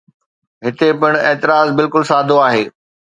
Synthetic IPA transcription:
ɦɪt̪epɪɽ̃eːt̪ɪɾaːzbɪlkʊlsaːd̪ʱoaːɦeː

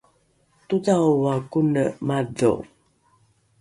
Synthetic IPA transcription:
tutawwakunəmado̰

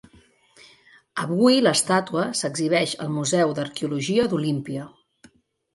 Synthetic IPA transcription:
əβuiləst̪at̪uəsəɡziβ̞ɛʃə̰lˠmuzɛwd̪əɾkeuluʒiəd̪ulimpiə

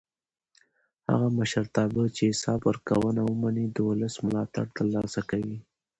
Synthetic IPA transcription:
ha̰ɣaməʃəɾt̪ɑbət͡ʃeɪsɑbwəɾkawənawəmanid̪əwʊləsmʊlɑt̪a̰ɽt̪əɾlɑsakawi

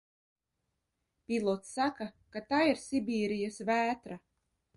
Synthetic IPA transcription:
pʲilˠɔt̪sːakakat̪aːiɾsibʲiːɾijasvæːt̪ɾa

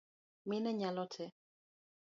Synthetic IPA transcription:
mɪnɛɲalɔtʰɛ

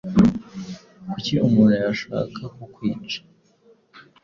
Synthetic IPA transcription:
kuciʔumuːnhujaʃa̰ːkʰakokwiːt͡ʃḁ

